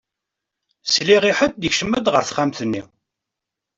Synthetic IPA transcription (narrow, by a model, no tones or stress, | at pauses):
sliʁiħət̪̚d̪əçʃəmːæd̪ʁəɾθχamθənːḭ